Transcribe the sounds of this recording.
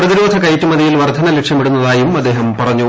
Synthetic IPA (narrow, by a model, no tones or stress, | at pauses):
rɐðiɾuʋɐd̪ʱɐkɐjtːumɐðijilʋɐrd̪ʱɐnɐlekʂjɐmiɽunːɐðaːjumɐd̪ːe̞ːɦɐmpɐrɐɲːu